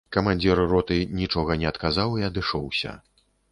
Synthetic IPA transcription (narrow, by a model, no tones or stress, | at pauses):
kɐmanʲd͡zʲiɾrɔt̪ɨnʲit͡ʂɔɣɐnʲɛɐt̪kazawiɐd̪ɨʂɔwsʲɐ̰